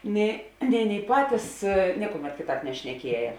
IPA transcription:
nʲeː nʲɛɪ ˈɑːˌnʲeːɪ ˈpɑːtʲiːs ˈnʲiɛkʊˌmʲɛt ˈkʲeːˌtɑːp nʲɛʃʲnʲɛˈkʲiɛjɛ

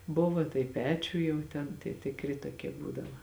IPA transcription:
ˈbʊʋɐ tɐɪ ˈpʲæːt͡ʃʲʊj jɛʊ ˈtʲɛn tʲiɛ tʲɪˈkrʲɪ toːˈkʲiɛ ˈbuːdɐʋɐ

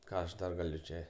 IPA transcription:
ˈkɑː ɐʃ ˈdɐr ɡɐˈlʲʊ ˈt͡ʃʲɛ

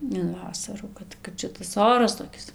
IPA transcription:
ɪn ˈʋɑːsɐruː ˈkɐt kɐt ˈʃʲɪtɐs ˈoːrɐs toːˈkʲɪs

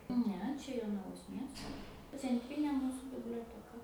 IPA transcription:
ˈnʲɛ ˈt͡ʃʲɛ joːnɐˈʋoːs ˈmʲiɛstoː t͡sʲɛnʲˈtʲrʲiːnʲeː ˈmuːsʊ bʲɪbʲlʲoːtʲɛˈkɐ

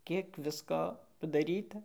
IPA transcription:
ˈkʲiɛk ˈʋʲɪskoː pɐdɐˈrʲiːtɐ

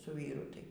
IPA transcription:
sʊ ˈʋʲiːrʊ ˈtɐɪ

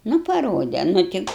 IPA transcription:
nʊ pɐˈroːdʲɛ nʊ ˈtʲɪ

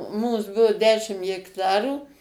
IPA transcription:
ˈmuːs ˈbʊʋʊ ˈdʲæːʃʲɪm jɛkˈtɑːruː

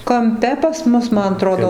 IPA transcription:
kɐmʲˈpʲɛ pɐs ˈmʊs ˈmɐn ɐˈtroːdoː

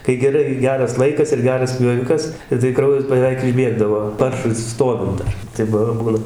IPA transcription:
kɐɪ ɡʲɛˈrɐɪ ˈɡʲæːrɐs ˈlˠɐɪkɐs ɪr ˈɡʲæːrɐs pʲjoːˈʋʲɪkɐs ɪ tɐɪ ˈkrɐʊjɛs bəˈʋʲɛɪk ɪʒʲˈbʲiɛɡdɐʋoː ˈpɐrʃʊɪ ˈstoːʋʲɪnt dɐr ˈtɐɪ p ˈbuːnɐ

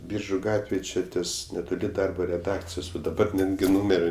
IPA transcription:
ˈbʲiːrʒʊ ˈɡɑːtʲʋʲeːj ˈt͡ʃʲɪ ˈtʲiɛs nʲɛtoːˈlʲɪ ˈdɐrboː rʲɛˈdɑːkt͡sʲɪjoːs ʋɐt dɐˈbɐr ˈnʲæːdʲɡʲɪ ˈnuːmʲɛrʲɪ

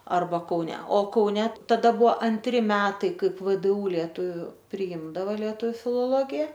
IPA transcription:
ˈɐrbɐ kɐʊˈnʲɛ oː kɐʊˈnʲɛ tɐˈdɐ ˈbʊʋoː ɐnʲˈtʲrʲɪ ˈmʲæːtɐɪ ˈkɐɪp ʋdˈuː lʲiɛˈtʊʋʲʊ pʲrʲɪˈiːmdɐʋoː lʲiɛˈtʊ fʲɪlˠoːˈlˠoːɡʲɪjɛ

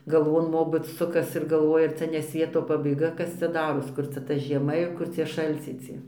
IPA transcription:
ɡɐlˠˈʋoːn ˈmoːbɨt ˈsʊkɐs ɪr ɡɐlˠˈʋoːjɛ ˈt͡sʲɛ nʲɛ ˈsʲʋʲiɛtoː pɐbɐɪˈɡɐ ˈkɐs t͡sʲɛ ˈdɑːroːs ˈkʊr t͡sʲɛ tɐ ʒʲiɛˈmɐ ɪr ˈkʊr t͡sʲiɛ ʃɐlʲˈt͡sʲɛɪ ˈt͡sʲiɛ

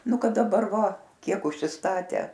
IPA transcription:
ˈnʊ ˈkɐt dɐˈbɐr ˈʋɐ ˈkʲiɛk ʊʃʲsʲɪsˈtɑːtʲæː

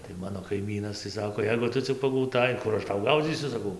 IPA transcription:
tɐɪ ˈmɑːnoː kɐɪˈmʲiːnɐs tɐɪ ˈsɑːkoː ˈjɛɪɡʊ ˈtʊ t͡sʲɪk pɐɡɐʊˈtɐɪ ˈkʊr ɐʃ ˈtɐʊ ˈɡɐʊd͡zʲiːsʲʊ sɐˈkɐʊ

